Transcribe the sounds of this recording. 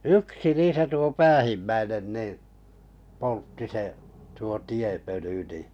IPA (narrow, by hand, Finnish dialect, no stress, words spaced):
yksi niːsæ tuo pæːhimːæinen niˑ poltːi se tuo tiepøly ni